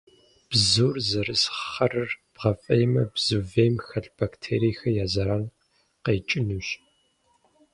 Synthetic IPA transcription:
b̥zuːrzɐɾɨsχɐrɨrb̥ʁɐfʼɐjmɐbzuːveːmxɐɬb̥aktʰeːɾiːxɐjaːzɐɾaːn | qeːt͡ʃʼɪnuːɕ

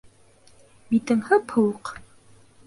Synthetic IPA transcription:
bit̪ɘ̆ŋhɤphɤ̆wɤq

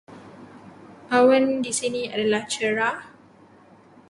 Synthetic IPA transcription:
ʔawəndisinĩadalaht͡ʃəɹa

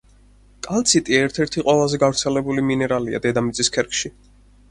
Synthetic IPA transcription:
kʼalt̪sʰit̪ʼiɛɾt̪ʰɛɾt̪ʰiqʼwɛlˠazɛɡavɾt̪sʰɛlɛbuliminɛɾalia̰d̪ɛd̪amit̪sʼiskʰɛɾkʰʃi

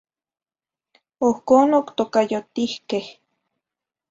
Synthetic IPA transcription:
ohkoːnokt̪okajot̪ihkeh

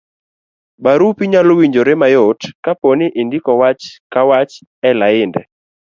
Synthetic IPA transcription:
baɾupiɲalowiɲd͡ʒoɾemajotkapɔnɪʔendikɔwat͡ʃkawat͡ʃ | ɛlaɪndɛ

